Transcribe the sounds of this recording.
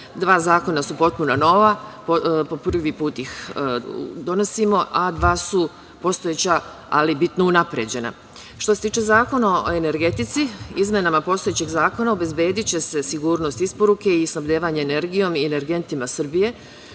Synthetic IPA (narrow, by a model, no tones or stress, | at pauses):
d̪ʋaːzaːko̞nasupo̞t̪̚punano̞ːʋapopo̞pr̩ʋipuːt̪ix | d̪o̞no̞simo̞ʔad̪ʋaːsu | po̞st̪ojeːt͡ɕa | a̰libit̪nounapɾe̞d͡ʑe̞na̰ | ʃt̪ose̞t̪iːt͡ʃe̞zaːko̞nao̰e̞ne̞ɾɡe̞t̪it̪siizmje̞namapo̞st̪oe̞t͡ɕeɡzaːko̞naobe̞zbe̞ːd̪it͡ɕe̞se̞siɡuːɾno̞st̪ispo̞ɾuke̞isnabʎe̞ːʋaɲeːne̞ɾɡijo̞miene̞ɾɡe̞nt̪imasɨr̩bije̞